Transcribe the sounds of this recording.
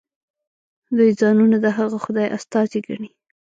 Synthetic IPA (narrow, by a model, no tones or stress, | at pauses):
d̪ujzɑnunad̪əɦaɣaxʊd̪ɑjʔa̰st̪ɑziɡaɳi